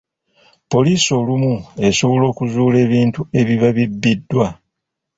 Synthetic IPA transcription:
po̞liːso̞lumue̞so̞βo̞lo̞ːkuzuːle̞ːβiːntue̞βiβaβibːidːwa

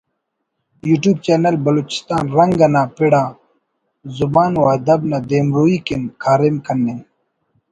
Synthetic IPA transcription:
juːʈjuːb̚t͡ɕeːnɐlbɐloːt͡ɕi̥st̪aːnɾɐŋɡɐnaːpiɽaː | zubaːnwaːd̪ɐbnad̪eːmɾuːikinkʰaːɾemkɐnːen

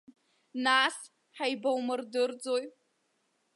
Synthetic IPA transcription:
nas | ħajbawmɨrdɨrd͡zo̞j

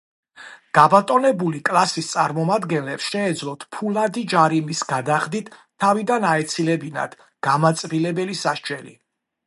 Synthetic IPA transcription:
ɡ̥abat̪ʼɔnɛbulikʼlˠasist̪sʼaɾmɔmad̪ɡɛnlɛpsʃɛːd̪zlˠɔt̪ʰpʰulad̪id͡ʒaɾimisɡ̥ad̪aχd̪it̪ʰː | avid̪anaɛt̪sʰilɛbina̰d̪̥ | ɡ̥amat̪sʼɾilɛbɛlisaʃt͡ʃʼɛlḭ

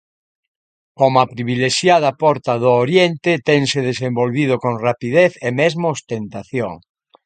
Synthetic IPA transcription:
komapɾiβ̞ileʃjaðɐpɔɾt̪aðooɾjent̪et̪eŋseðesẽmbolβið̞okõŋrapiðeθemezmoost̪ent̪aθjo̰ŋ

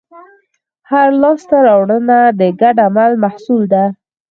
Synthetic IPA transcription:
haɾlɑst̪aɾɑwɽənad̪əɡaɖamalmahsuld̪a

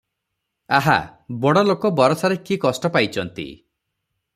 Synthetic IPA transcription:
aɦa̰bɔɽɔlokɔbɔɾɔsaɾekikɔsʈɔpajt͡ʃʰɔnt̪ḭ

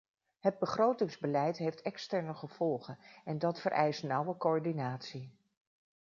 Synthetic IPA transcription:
ɦəd̚bəχrowtɪŋzbəlɛjtɦejftɛkstɛɹnəχəv̥ɔlˠχənɛndɑtfərʔɛ̰jstnʌwəkoɔɹdinaːtsi

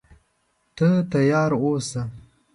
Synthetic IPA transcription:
t̪ət̪ajɑːɾosa

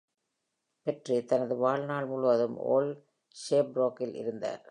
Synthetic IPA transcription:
pɛʈrit̪ɐnɐðɯʋaːɭnaːɭmʊɻʊʋɐðɯmo̰ːl | ʂeːpɾoːkːɪlʔɪ̰ɾɯnd̪a̰ːɾ

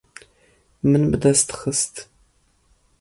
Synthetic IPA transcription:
mɨnbɨdɐstʰxəstʰ

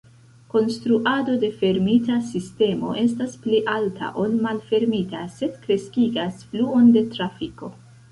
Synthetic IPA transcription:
ko̞nstɾuʔado̞de̞fe̞ɾmitasiste̞mo̞̰ʔe̞staspliʔaltʰa̰ʔo̞lmalfe̞ɾmitase̞dkɾe̞skiɡasfluo̞nde̞tɾafiko̞

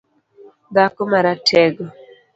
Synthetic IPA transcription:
dakomaɾatʰɛɡɔ

